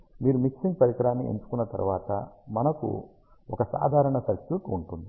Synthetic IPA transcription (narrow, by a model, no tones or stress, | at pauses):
miːɾumiksiŋɡ̚pɐɾikɾaːnːiʔe̞̰ɲt͡ʃu̥kunːɐt̪ɐ̰ɾṵʋaːt̪ɐ̰mɐnɐkṵ | ɔkɐsa̰ːd̪ʱaːɾɐɳɐsɐɾkjuːʈuɳʈund̪i